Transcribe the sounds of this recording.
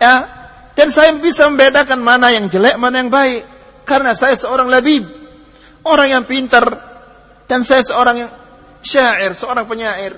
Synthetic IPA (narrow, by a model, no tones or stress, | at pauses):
ja | d̥ansajabisaməmbedakanmanajaŋd͡ʒəlɛʔmanajaŋbaɪʔ | aɾənasajasəoɾaŋlabib̚ | oɾaŋjaŋpint̪ər | d̥ansajasəoɾaŋjaŋ | ʃaʔɪrsəoɾaŋpəɲaɪr